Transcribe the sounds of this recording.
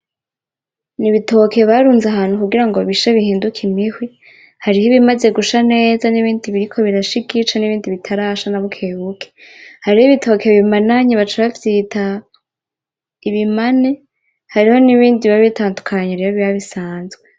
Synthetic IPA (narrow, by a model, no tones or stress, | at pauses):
niβito̞ke̞βaɾuːnzaɦaːn̥hukuɡiɾaŋɡoβiʃaβihiːndukʰimihwi | haɾihiβimaze̞ɡuʃane̞ːzaniβiːndiβiɾikʰo̞βiɾaʃikit͡ʃaniβiːndiβitʰaɾaːʃanaβukʰeːβukʰehaɾihiβitʰo̞ːkʰeβimanaɲiβat͡ʃaβafitʰa | iβimane | haɾiho̞niβiːndiβaβitaːndukʰaɲeɾejoβiaβisaːnzɡwe̞